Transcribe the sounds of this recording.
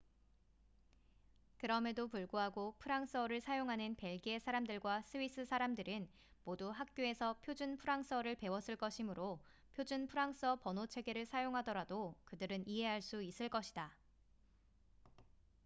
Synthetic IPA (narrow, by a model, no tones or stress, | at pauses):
kɯɾʌme̞dopuɭɡoɦaɡopʰɯɾaŋs͈ʌɾɯɭsʰajoŋɦanɯnpe̞ɭɡesʰaɾamdɯɭɡwas͈ʰɯis͈ɯsʰaɾamdɯɾɯn | moduɦak̚k͈joe̞sʰʌpʰjod͡ʑunpʰɯɾaŋs͈ʌɾɯɭpe̞wʌs͈ɯɭk͈ʌɕʰimɯɾo | pʰjod͡ʑunpʰɯɾaŋs͈ʌpʌnot͡ɕʰe̞ɡe̞ɾɯɭsʰajoŋɦadʌɾadokɯdɯɾɯniɦe̞ɦaɭs͈uis͈ɯɭk͈ʌɕʰida